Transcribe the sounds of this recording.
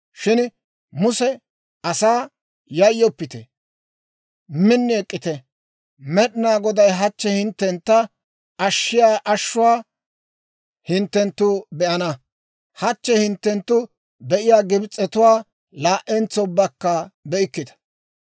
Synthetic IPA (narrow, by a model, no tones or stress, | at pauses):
ʃɪn | mʊsɛ | ɐsaː | jɐjːɔpːɪt̪ɛ | mɪnːɪɛkʼːɪt̪ɛ | mɛɗɪnaːɡɔd̪ɐjɦɐt͡ʃːɛhɪnt̪ːɛnt̪ːɐ | ɐʃːɪjaːʔɐʃːʊwaː | hɪnt̪ːɛnt̪ːʊbɛʔɐnɐ | hɐt͡ʃːɛhɪnt̪ːɛnt̪ːʊ | b̪ɛʔɪjaːɡɪbɪt͡sʼːɛt̪ʊwaː | laːʔɛnt͡sɔbːɐkːɐbɛʔɪkːɪd̪ɐ̥